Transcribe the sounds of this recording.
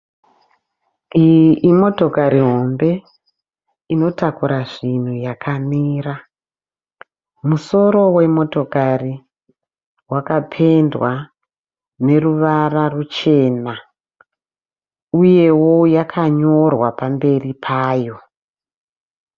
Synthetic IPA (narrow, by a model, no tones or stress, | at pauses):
iimo̞to̞kaɾiɦo̞mbe̞ | ino̞takuɾaʐin̤ujakʰamiːra | muso̞ɾo̞we̞mo̞to̞kari | wakapʰe̞ndwa | ne̞ruʋararut͡ʃe̞ːna | uje̞wo̞jakʰaɲo̞rwapambe̞ripʰaːjo̞